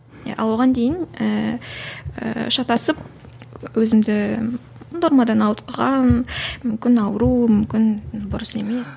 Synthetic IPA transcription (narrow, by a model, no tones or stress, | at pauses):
j̰ɑ̰woʁɑnd̪e̞jɪnə | ə̰ʃɑt̪ɑsəp̚ | wɵzɪmd̪ɪ | d̪oɾmɑd̪ɑnɑwt̪̚qɑʁɑnmʏmkʲɪnɑwəɾumʏmkʲɪnbʊɾəse̞me̞s